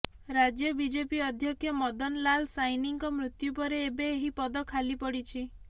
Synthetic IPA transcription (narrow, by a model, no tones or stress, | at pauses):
ɾad͡ʒjɔbid͡ʒepiɔd̪ʱjɔkʰjɔmɔd̪ɔnlalsajniŋkɔmɾut̪jupɔɾeːbeːɦipɔd̪ɔkʰalipɔɽit͡ʃʰi